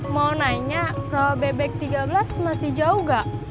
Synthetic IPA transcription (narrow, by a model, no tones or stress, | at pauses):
mawnaiɲarabɛbɛk̚t̪iɡablasmasɪhd͡ʒauɡaʔ